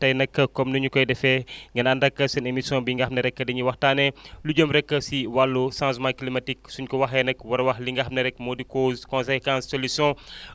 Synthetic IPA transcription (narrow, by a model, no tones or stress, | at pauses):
tɐjnɐkːɐkɔmnuɲukɔjdɛfɛŋɡɐnɐndɐkːɐsɐnemisjɔ̃biŋɡahmnɐɾɛkːɐdiɲiwɐxtanɛluɟəmɾɛkːəsiwalːusãns̬mãklimɐtiksuɲkɔwɐɦɛnɐkwɐɾwɐxliŋɡaɦmnɐɾɛkːmodikoːzkɔ̃nsɛkãnsːolusɔ̃